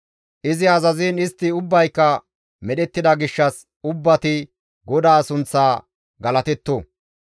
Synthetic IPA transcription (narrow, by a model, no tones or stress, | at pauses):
ʔɪzɪɐzɐziːnɪst̪ːɪʊbːɐjkːɐ | mɛɗɛt̪ːɪd̪ɐɡɪʃːɐs | ʊbːɐt̪ɪ | ɡɔd̪aːsʊnt͡sːaː | ɡɐlɐt̪ɛt̪ːo